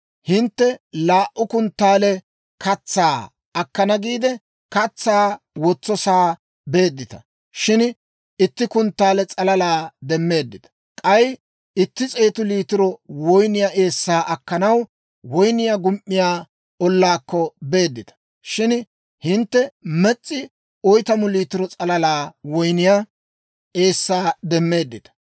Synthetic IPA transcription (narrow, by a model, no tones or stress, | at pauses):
hɪnt̪ːɛlaːʔːʊkʊnt̪ːaːlɛ | kɐt͡sːaː | ɐkːɐnɐɡiːd̪ɛ | kɐt͡sːaː | wɔt͡sːɔsaː | be̞ːd̪ːɪt̪ɐ̥ | ʃɪn | ɪt̪ːɪkʊnt̪ːaːlɛt͡sʼɐlɐlaːd̪ɛmːe̞ːd̪ːɪt̪ɐ̥ | kʼɐj | ɪt̪ːɪt͡sʼeːt̪ʊliːt̪ɪɾɔwɔjnɪjaʔe̞ːsːaːʔɐkːɐnɐw | wɔjnɪjaɡʊmʔːɪjaː | ɔlːaːkːɔbe̞ːd̪ːɪt̪ɐ̥ | ʃɪn | hɪnt̪ːɛmɛt͡sʼːɪ | ɔjt̪ɐmʊliːt̪ɪɾɔt͡sʼɐlɐlaːwɔjnɪja | e̞ːsːaːd̪ɛmːe̞ːd̪ːɪt̪ɐ̥